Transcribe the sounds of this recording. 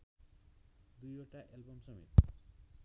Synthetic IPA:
d̪ujoʈaʔɛlbomʃɔmḭt̪

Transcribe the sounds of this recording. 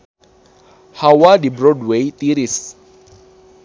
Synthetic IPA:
hawadibɾɔdwejt̪iɾis

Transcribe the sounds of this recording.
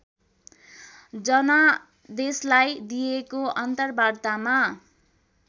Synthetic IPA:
d͡zʌnʌ | d̪eslajd̪ijekoʔʌnt̪ʌrbart̪ama

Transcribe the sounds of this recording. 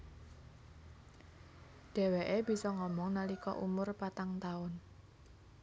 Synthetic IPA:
ɖ̥ɛ̤weʔeb̥i̤sɔŋɔmɔŋnalikɔ̰ʔumʊrpat̪aŋt̪aʊn

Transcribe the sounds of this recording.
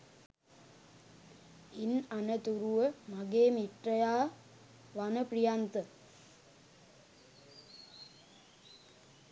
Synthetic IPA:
inanət̪uɾuʋəmaɡeːmiʈrəjaː | ʋanəprijant̪ə

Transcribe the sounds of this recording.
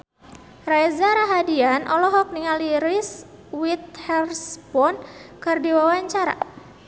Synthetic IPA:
rajzaɾaɦadianʔɔlɔɦɔk̚niŋaliɾis | wit̪̚hɛrspɔnkɨrdiwawaɲt͡ʃaɾa̰

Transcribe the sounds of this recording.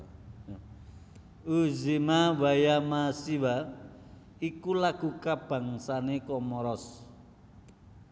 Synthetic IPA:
uzimawajamasiwa | ikulaɡ̥ukab̥a̤ŋsanekɔmɔɾɔs

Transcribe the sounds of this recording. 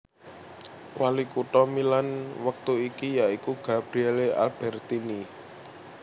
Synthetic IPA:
walikuʈɔmilanwək̚t̪uikijaikuɡ̥a̤b̥ɾiɛlea̰lb̥ɛrt̪ini

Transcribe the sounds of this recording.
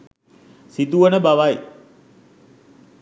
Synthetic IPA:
sit̪uʋənəbaʋaj

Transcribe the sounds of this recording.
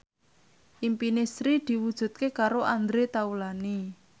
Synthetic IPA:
ʔimpinesɾid̪̥i̤wud̥ʒ̥ṳt̪̚kekaɾoʔand̪ɾet̪aulani

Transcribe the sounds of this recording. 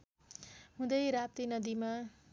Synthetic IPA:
ɦũd̪ʌjɾap̚t̪inʌd̪ima

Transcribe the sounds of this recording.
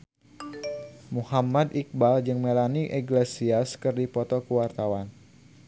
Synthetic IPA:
muhamad̪ik̚bald͡ʒɨŋmelaniʔɛɡlesiaskɨrdipɔt̪ɔkuwart̪awan

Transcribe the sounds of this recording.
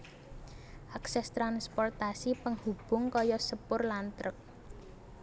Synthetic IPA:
ʔaksɛst̪ɾanspɔrt̪asipəŋhub̥ʊ̤ŋkɔjɔsəpʊrlant̪ɾək̚

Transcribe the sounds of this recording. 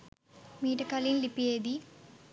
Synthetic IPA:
miːʈɐkɐlinlipːijeːd̪i

